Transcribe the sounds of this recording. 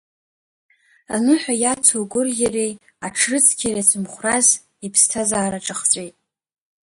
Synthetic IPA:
anɨħʷᶣajat͡sʰoɡʷʊrjarej | aʈ͡ʂʰrɨt͡sʰkʲʰaɾat͡sʰʼɨmχʷraz | ipʰstʰazaːɾaʈ͡ʂʼɨχt͡sʷʼejtʼ

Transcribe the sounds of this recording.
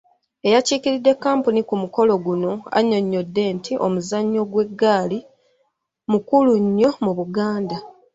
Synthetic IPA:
e̞jaciːciɾidːe̞kːaːmpunikumuko̞lo̞ɡuno̞a̰ɲo̞ɲːo̞dːe̞ːntʰiʔo̞muzaɲːo̞ɡwe̞ɡːaːli | mukuluɲːo̞muβuɡaːnda

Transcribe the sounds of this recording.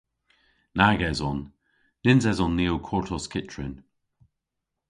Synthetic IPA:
naɡɛzɔn | d̥ɪnzɛzɔnːiowkʰɔɹtʰɔskʰɪt͡ʃɹɪn

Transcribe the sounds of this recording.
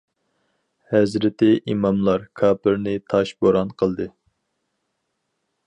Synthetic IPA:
hɛzɾɪt̪ʰɪʔimɑmlˠɑɾkʰɑːpʰɨɾnɨt̪ʰɑʃboɾɑnqʰəlˠd̪ɨ

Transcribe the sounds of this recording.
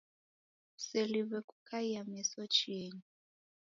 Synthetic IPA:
seliβɛkʼukʰaiamɛsɔt͡ʃʰieːɲi

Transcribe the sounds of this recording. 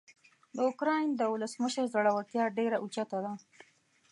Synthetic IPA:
d̪əʊkɾɑjnd̪əwʊləsməʃəɾzaɽawəɽt̪jɑɖeɾaʔut͡ʃat̪ad̪a

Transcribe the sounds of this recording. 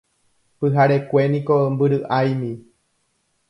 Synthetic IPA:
pɨɦaɾekʷe̞nĩkombɨɾɨʔajmĩ

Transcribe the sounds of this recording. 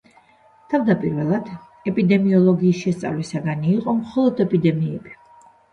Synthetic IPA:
t̪ʰavd̪apʼiɾvɛlˠad̪̥ | ɛpʼid̪ɛmiɔlˠɔɡiːsʃɛst̪sʼa̰vlisaɡaniːqʼɔmχɔlˠɔd̪ɛpʼid̪ɛmiɛb̥i

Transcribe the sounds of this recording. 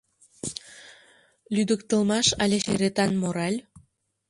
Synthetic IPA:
lʲyd̪əkt̪ə̆lmɑʃɑlʲeʃeɾet̪ɑnmoɾɑlʲ

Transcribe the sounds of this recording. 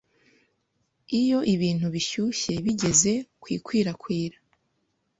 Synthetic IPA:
ijo̞ʔiβiːn̥uβiʃuʃe̞βiɟe̞ze̞kwḭːkwiːɾakwiːɾa

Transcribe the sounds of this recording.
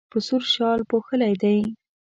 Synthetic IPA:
pəsuɾʃɑlpoxəlajd̪aj

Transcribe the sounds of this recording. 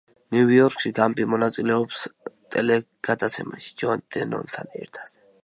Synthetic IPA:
nuiɔɾkʃiɡampʼimɔnat̪sʼilɛɔpst̪ʼɛlɛ | ɡ̥ad̪at̪sʰɛmaʃi̥d͡ʒɔnd̪̥ɛnɔ̰nt̪ʰanɛ̰ɾt̪ʰḁd̪̥

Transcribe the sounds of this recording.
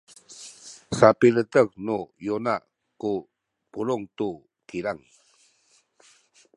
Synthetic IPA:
sapilətəknujonaʔ | ku | puɾuŋtu | kiɾaŋ

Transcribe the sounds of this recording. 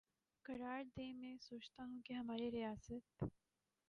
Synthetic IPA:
kɐɾaːɾd̪eːmẽsoːt͡ʃt̪aɦũkiɦɐmaːɾiɾijaːsət̪

